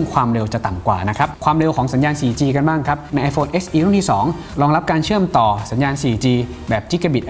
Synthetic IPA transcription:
ŋkʰwaː˧mɾe˧wt͡ɕa˨˩t̪a˨˩mkwaː˨˩na˦˥kʰɾa˦˥p̚kʰwaː˧mɾe˧wkʰɔː˩˦ŋsa˩˦njaː˧nsiː˨˩t͡ɕiː˧ka˧nbaː˥˩ŋkʰa˦˥p̚na˧jʔa˧jfoː˧nʔeː˦˥sʔiː˧ɾʰu˥˩ŋt̪ʰi˥˩sɔː˩˦ŋ | ɾɔː˧ŋɾa˦˥p̚kaː˧nt͡ɕʰɯ˥˩əmt̪ɔː˨˩sa˩˦njaː˧nsiː˨˩t͡ɕiː˧bɛː˨˩p̚t͡ɕi˦˥ka˧bi˨˩t̪ʔ

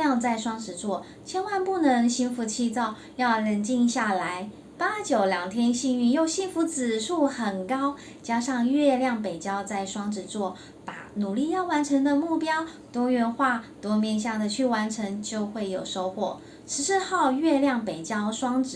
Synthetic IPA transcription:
ɑ˥˧ŋt͡sa˥˩ɪʂwɑ˥ŋʈ͡ʂɻ̩˨˩t͡swɔ˥˩ | t͡ɕʰjɛ˥nwa˥˧npu˥˩nɤ˧˥ŋɕi˥nfu˧˥t͡ɕʰi˥˧t͡sɑ˥˧ʊ | jɑ˥˩ʊlə˧˥nt͡ɕi˥˧ŋɕja˥˩la˧˥ɪ | pa˦˥t͡ɕjo˨˩ʊljɑ˨˩ŋt̪ʰjɛ˥nɕi˥˧ŋy˥˧jo˥˩ʊɕi˥nfu˧˥t͡sɹ̩˨˩ʂu˥˩xə˨˩nkɑ˥ʊ | t͡ɕja˥ʂɑ˥˧ŋɥɛ˥˧ljɑ˥˩ŋpe˨˩ɪt͡ɕjɑ˥ʊt͡sa˥˩ɪʂwɑ˥ŋʈ͡ʂɻ̩˨˩t͡swɔ˥˩ | pa̰˨˩nu˨˩li˥˧jɑ˥˩ʊwa˧˥nʈ͡ʂʰə˧˥ŋd̪ə˧mu˥˩pjɑ˥ʊ | t̪wɔ˥ɥɛ˧˥nxwa˥˩t̪wɔ˥mjɛ˥˧nɕ̬ja˥˩d̪ə˩t͡ɕʰy˥˩wa˧˥nʈ͡ʂʰə˧˥ŋt͡ɕjo˥˧ʊxwe˥˩ɪjo˨˩ʊʂo˥ʊxwɔ˨˩ | ʂɻ̩˧˥ʂɻ̩˥˧xɑ˥˧ʊɥɛ˥˧ljɑ˥˩ŋpe˨˩ɪt͡ɕjɑ˥ʊʂwɑ˥ŋʈ͡ʂɻ̩˨˩

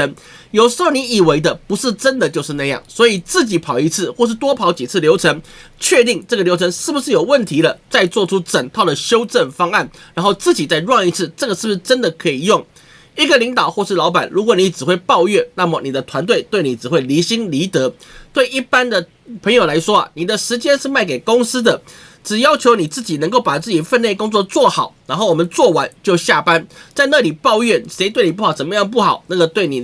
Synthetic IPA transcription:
ŋ | jo˨˩ʊʂɻ̩˧˥xo˥˩ʊni˧˥i˨˩we˧˥ɪd̪ə˨pu˧˦˥ʂɻ̩˥˩ʈ͡ʂə˦nd̪ə˨t͡ɕjo˥˧ʊʂɻ̩˥˧na˥˧jɑ̰˥˩ŋswɔ˧˥i˨˩t͡sɹ̩˥˩t͡ɕi˨˥pʰɑ˨˩ʊi˧˥t͡sʰɹ̩˥˩xwɔ˥˧ʂ̬ɻ̩˥˩t̪wɔ˥pʰɑ˧˥ʊt͡ɕi˨˩t͡s̩ʰ˥˩ljo˧˥ʊʈ͡ʂʰə˧˥ŋt͡ɕʰɥɛ˥˧t̪i˥˧ŋʈ͡ʂɤ˥˩ɡə˩ljo˧˥ʊʈ͡ʂʰə˧˥ŋʂɻ̩˥˩bu˩ʂɻ̩˥˩jo˨˩ʊwə˥˩nt̪ʰi˧˥lə˧˨t͡sa˥˧ɪt͡swɔ˥˩ʈ͡ʂʰu˥ʈ͡ʂə˨˩ŋt̪ʰɑ˥˩ʊd̪ə˩ɕjo˥ʊʈ͡ʂə˥˩nfɑ˥ŋa˥˩nɻa˧˥nxo˥˧ʊt͡sɹ̩˥˩t͡ɕi˨˩t͡sa˥˧ɪɻwɑ˥˧ŋi˧˥t͡sʰɹ̩˥˩ʈ͡ʂɤ˥˩ɡə˩ʂɻ̩˥˩u˩ʂ̩˥˧ʈ͡ʂə˥nd̪ə˨kʰɤ˧˥i˨˩jʊ˥˩ŋ | i˧˥ɡə˨li˧˥ŋt̪ɑ˨˩ʊxwɔ˥˧ʂɻ̩˥˩lɑ˧˥ʊpa˨˩nɻu˧˥kwɔ˨˩ni˧˥ʈ͡ʂɻ̩˨˩xwe˥˧ɪpɑ˥˧ʊɥɛ˥˩na˥˩mə˨˩ni˨˩d̪ə˦t̪ʰwa˧˥nt̪̬we˥˩ɪt̪we˥˩ɪni˨˩ʈ͡ʂɻ̩˨˩xwe˥˩ɪli˧˥ɕi˥ŋli˧˥t̪ɤ˧˥˦t̪we˥˩ɪi˥˩pa˥nd̪ə˨ | pʰə˧˥ŋjo˨˩ʊla˧˥ɪʂwɔ̰˥˨ni˨˩d̪ə˨ʂɻ̩˧˥t͡ɕjɛ˥nʂɻ̩˥˧ma˥˩ɪk̬e˨˩ɪkʊ˥ŋsɹ̩˥d̪ə˨ | ʈ͡ʂɻ̩˨˩jɑ˥ʊt͡ɕʰjo˧˥ʊni˨˩t͡sɹ̩˥˩t͡ɕi˨˩nə˧˥ŋko˥˩ʊpa˨˩t͡sɹ̩˥˩t͡ɕi˨˩fə˥˧nle˥˩ɪkʊ˥ŋt͡swɔ˥˧t͡swɔ˥˩xɑ˨˩˦ʊna˧˥nxo˥˩ʊwɔ˨˩mə˦nt͡swɔ˥˩wa˧˥nt͡ɕjo˥˧ʊɕja˥˩pa˦˥nt͡sa˥˧ɪna˥˩li˨˩pɑ˥˧ʊɥɛ˥˩ʂe˧˥ɪt̪we˥˩ɪni˨˩pu˥˩xɑ˨˩ʂə˨˩mə˦jɑ˥˧ŋp̬u˥˩xɑ˨˩ʊna˥˩ɡə˩t̪we˥˩ɪni˨˩

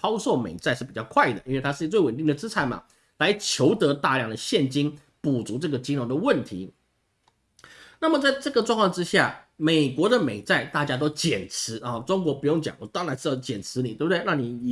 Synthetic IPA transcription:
pʰɑ˥ʊʂo˥˩ʊmḛ˨˩ɪt͡sa˥˧ɪʂɻ̩˥˩pi˨˩t͡ɕɑ˥˧ʊkʰwa˥˩ɪd̪ə˩i˥nwe˥ɪt̪ʰa˥ʂɻ̩˥˩˧t͡swe˥˩ɪwə˨˩nt̪i˥˩ŋd̪ə˩ʈ͡ʂɹ̩˥t͡sʰa˧˥ɪma̰˨˩ | la˧˥ɪt͡ɕʰjo˧˥ʊt̪ɤ˧˥t̪a˥˧ljɑ˥˩ŋd̪ə˩ɕjɛ˥˩nt͡ɕi˥ŋ | pu˨˩t͡su˧˥ʈ͡ʂɤ˥˩ɡə˩t͡ɕi˥ŋɻo˧˥ŋd̪ə˧wə˥˩nt̪ʰḭ˧˥ | na˥˩mə˨˩t͡sa˥˧ɪʈ͡ʂɤ˥˩ɡə˩ʈ͡ʂwɑ˥˧ŋkʰwɑ˥˧ŋʈ͡ʂɻ̩˥ɕja̰˥˩me˨˩ɪkwɔ˧˥d̪ə˨me˨˩ɪt͡sa˥˧ɪt̪a˥˩t͡ɕja˥t̪̬o˥ʊt͡ɕjɛ˨˩nt͡s̩ʰ˧˥ʔɐ˥˧ʈ͡ʂʊ˥ŋkwɔ˧˥pu˧˥jʊ˥˩ŋt͡ɕjɑ̰˨˦ŋwɔ˨˧˩t̪ɑ˥ŋɻa˧˥nʂ̩˥˧˩jɑ˥˧˩ʊt͡ɕjɛ˨˩nt͡sʰɻ̩˧˥ni˨˩we˥˩bə˩d̪e˥˧ɪnɑ˥˩ŋni˨˩˨

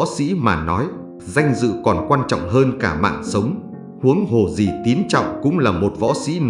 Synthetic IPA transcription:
sḭ˧˥maː˨˩nɔ˨˦j | za˧jŋ̟zɨ̰˧˨kɔ˨˩nkwaː˧nt͡ɕɔ̰˧˨wŋ͡mɦəː˧nkaː˧˩ma̰ː˧˨nsə˨˦wŋ͡m | hu˨˦əŋɦo˨˩zi˨˩t̪i˨˦ənt͡ɕɔ̰˧˨wŋ͡mkʊ̰˧˥ŋ͡mlaː˨˩mo˨˩t̚vɔ̰˧˥sḭ˧˥n

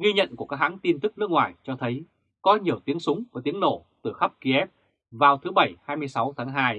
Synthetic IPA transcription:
ɣi˧ɲə̰˧˨nku˧˩kaː˦˥k̚ɦa̰˧˥ŋt̪i˧nt̪ɨ˦˥k̚nɨ˦˥k̚ŋwaː˨˩jt͡ɕɔ˧t̪ʰə˨˦j | kɔ˨˦ɲi˨˩əwt̪i˨˦əŋsʊ˨˦ŋ͡mvəː˧˩t̪i˨˦əno˧˩t̪ɨ˧˩xə˦˥p̚ki˧ʔɛ˦˥p̚ | vaː˨˩wt̪ʰɨ˨˦ɓə˧˩jhaː˧jmɨ˧əjsa˨˦wt̪ʰaː˨˦ŋɦaː˧j

